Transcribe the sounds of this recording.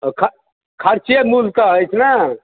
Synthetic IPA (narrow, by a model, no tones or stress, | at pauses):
kʰ | kʰəɾt͡ʃemult̪əəjt͡ʃʰna